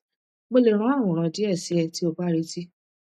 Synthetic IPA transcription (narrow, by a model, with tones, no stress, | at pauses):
ɡ͡bo˦˧le˨ɾ̃ã˨˦a˦˨w̃ɔ̃˨ɾ̃ã˧di˨˦ɛ˦˨si˨˦ɛ˧ti˦o˦k͡pa˦ɾi˦ti˦